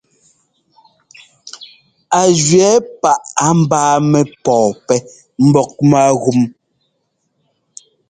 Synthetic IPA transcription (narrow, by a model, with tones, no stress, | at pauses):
a˨d͡ʒɥɛ˨˦pa˦˨ʔa˨˦m̩˦baː˦mɛ˦pɔː˨pɛ˦ | m̩˦bɔ˦k̚ma˦ɣu˦˨m